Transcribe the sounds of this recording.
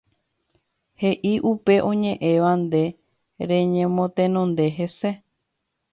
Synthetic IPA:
he̞ʔiʔupe̞ʔõɲẽʔẽʋand̪e̞ | ɾẽ̞ɲẽmõt̪ẽnõ̞nd̪e̞ɦese̞

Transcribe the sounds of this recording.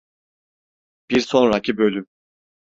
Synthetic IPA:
b̥iɾso̞nɾacʰibø̞lʲym

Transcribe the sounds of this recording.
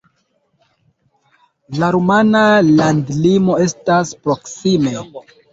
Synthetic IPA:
laɾumanalandlimo̞e̞staspɾo̞ksime

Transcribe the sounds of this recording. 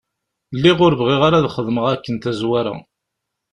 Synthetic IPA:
lːiʁʊɾvʁiʁaɾaðχəðˤməʁækːənt̪æzwæɾa̰

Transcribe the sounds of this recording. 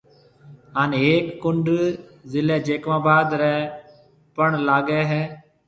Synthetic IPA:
ɦaːneːeːkːʊɳɖzɪlɛ̃ːd͡ʒeːkʋãːbaːd̪ɾɛː | pəɳlaːɡɛːɦɛː

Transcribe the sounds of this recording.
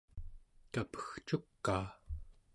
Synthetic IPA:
kapə̥xt͡ʃukːaː

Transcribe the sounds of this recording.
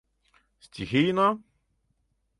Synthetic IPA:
sʲtʲixijna

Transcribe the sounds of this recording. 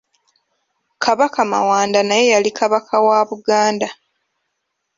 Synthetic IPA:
kʰaβakama̰waːndanaje̞jalikʰaβakʰawaːβuɡaːnda

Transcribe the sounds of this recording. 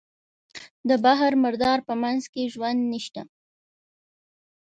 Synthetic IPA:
d̪əbaɦaɾmɪɾd̪ɑɾpəmanzkeʒwand̪niʃt̪a

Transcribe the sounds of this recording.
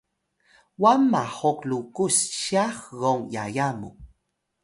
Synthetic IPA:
wamahoklukusʃaxɣoŋja̰jamṵ

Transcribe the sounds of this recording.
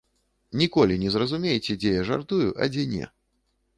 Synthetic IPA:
nʲikɔlʲinʲɛzrɐzumʲejɛt͡sʲɛd͡zʲɛjaʐa̰rt̪ujuʔɐ̰d͡zʲɛnʲɛ̰

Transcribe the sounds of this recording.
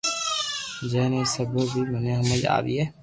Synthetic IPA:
d͡ʒɛːnesəbobʱiməneɦəməia̰ːd̪ḭɛː

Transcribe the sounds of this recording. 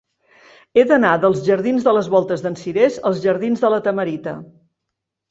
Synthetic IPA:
eðənaðəlˠzʒəɾðinzðələzβɔlˠt̪əzðənsiɾezəlˠzʒəɾð̞inzðələt̪əməɾit̪ə̰

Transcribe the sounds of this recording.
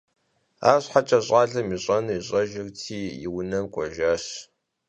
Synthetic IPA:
a̰ːɕħat͡ʃʼɐɕʼaːɮɐmiɕʼɐniɕʼɐʒɪrtʰiːjɪ̰wʊnɐmkʷʼɔʒaːɕ

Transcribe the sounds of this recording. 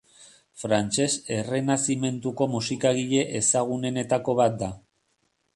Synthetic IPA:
fɾant͡ʃe̞se̞re̞nasime̞nt̪uko̞musikaɣ̞iʎe̞ʔesaɣ̞une̞ne̞t̪ako̞βat̪̚d̪a

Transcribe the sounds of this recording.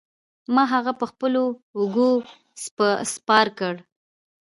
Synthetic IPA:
mɑɦaɣapəxpəloʊɡo | spəspɑɾkəɽ

